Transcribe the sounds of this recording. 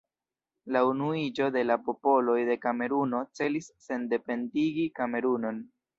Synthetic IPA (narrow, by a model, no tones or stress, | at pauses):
launuid͡ʒo̞de̞lapo̞po̞lo̞jde̞kame̞ɾuno̞t͡se̞lisːe̞nde̞pe̞ndiɡikame̞ɾuno̞n